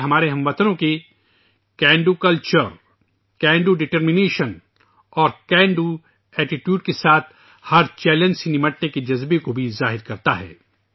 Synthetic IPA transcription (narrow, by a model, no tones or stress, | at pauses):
ɦɐmaːɾeɦɐ̃mʋɐt̪ənõke | kɛ̃ːɳɖukɐlt͡ʃəɾ | kɛ̃ːɳɖuɖɪʈəɾmɪneːʃən | ɔːɾkɛ̃ːɳɖu | ɛːʈɪʈjuːɖkesaːt̪̚ʰ | hɐɾt͡ʃɛːlə̃nsinɪməʈneked͡ʒɐzbekobʱizaːɦɪɾkɐɾt̪aɦɛ̰ː